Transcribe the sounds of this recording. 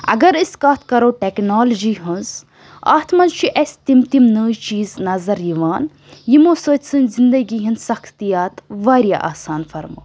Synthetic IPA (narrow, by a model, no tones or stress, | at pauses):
ɐ̰ɡɐɾiskɐt̪ʰkɐɾoːʈeknaːlɐd͡ʒiːɦɐnz | a̰ːt̪ʰmɐnt͡ʃʰiʔɐsʲt̪imt̪imnɨːjt͡ʃiːznɐzɐɾjiʋaːn | jimoːsoːt̪ʲsɨnʲzind̪ɐɡiɦinsɐxt̪ijaːt̪ʋaːɾja̰ʔaːsaːnfɐɾmɨ̰